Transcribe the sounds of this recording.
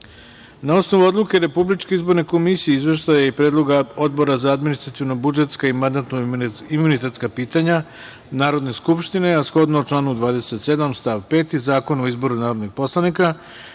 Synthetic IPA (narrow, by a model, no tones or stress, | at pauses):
naosnoʋuo̞d̪lˠuke̞ɾe̞publit͡ʃkeizbo̞ɾne̞ko̞misijeizʋe̞ʃt̪ajaipɾe̞ːd̪lˠo̞ɡao̞d̪bo̞ɾazaːd̪minist̪ɾat̪ijonobud͡ʒet̪skaimand̪at̪noimunit̪et̪skapiːt̪aɲa | naːɾo̞d̪ne̞skupʃt̪ine̞asxo̞d̪nouʈ͡ʂlˠaːnud̪ʋaːd̪e̞set̪se̞d̪amst̪aʋpe̞ːt̪izaːko̞noizbo̞ɾunaːɾod̪nixpo̞slˠanika